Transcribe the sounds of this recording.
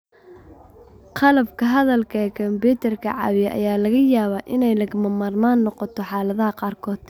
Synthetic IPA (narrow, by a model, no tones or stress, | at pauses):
qɑlɐbkʰɐɦɐðɐlkʰɐɛkʰɐmbuːt̪ʰɛrkʰɐ̰ʕɑ̰βɪjɛʔɐ̰jaːlɐɣɐjaːβaːʔɪnɛjlɐɣmɐmaːrmaːnːɔqɔt̪ʰɔħɑːlɐðɐɦɐqɑːrkʰɔːd̪̥